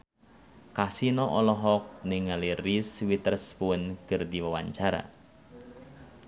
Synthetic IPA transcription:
kasinɔʔɔlɔɦɔk̚nɪŋaliriswit̪ərspʊnkɨrdiwəwaɲt͡ʃaɾa̰

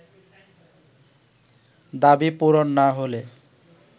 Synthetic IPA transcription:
d̪abipuɾonːaɦole

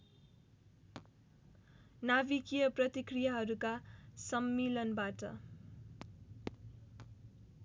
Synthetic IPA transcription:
nabikijʌprʌt̪ikrijaɦʌɾukasʌmːelʌnbaʈʌ̰

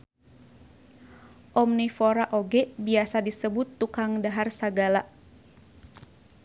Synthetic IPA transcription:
ʔɔmnifoɾaʔoɡɛbiasadisəbʊt̪ːukaŋdaɦarsaɡala

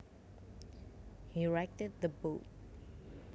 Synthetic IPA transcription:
hiɹɛk̚təd̪̚ðəbot̚

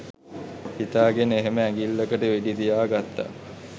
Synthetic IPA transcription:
hit̪aːɡeneɦeməæŋɡilːəkəʈəʋeɖit̪ijaːɡat̪ːa̰

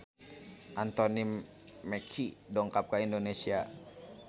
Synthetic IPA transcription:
ʔant̪ɔnimː | ɛkʰidɔŋkap̚kaindonesia

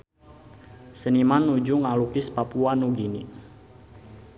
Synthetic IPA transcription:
sənimanːud͡ʒuŋalukɪspapuanuɡini

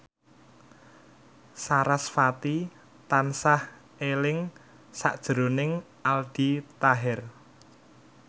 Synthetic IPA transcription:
saɾasfat̪i | t̪ansah | elɪŋ | sa̰ʔd̥ʒ̥əɾonɪŋ | ald̥it̪aɦɛr

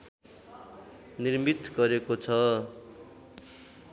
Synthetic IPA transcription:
nirmit̪ɡʌɾekot͡sʰʌ

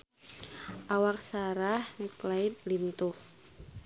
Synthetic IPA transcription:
ʔawak̚saɾahniklainlint̪uh

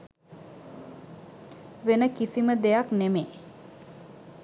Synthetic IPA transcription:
ʋenəkisiməd̪ejaknemeː

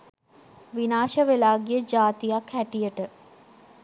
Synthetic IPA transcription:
ʋinaːʃəʋelaːɡijəd͡ʒaːt̪ijakhæʈijəʈə

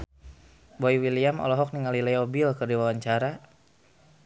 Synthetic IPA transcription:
boiwiliamɔ̰lɔɦɔk̚niŋalilɛjɔbilkərdiwawaɲt͡ʃaɾa

